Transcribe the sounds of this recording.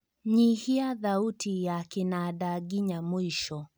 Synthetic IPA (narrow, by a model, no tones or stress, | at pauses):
ɲihiaðautʰijakinaɗaɡiɲamwiʃɔ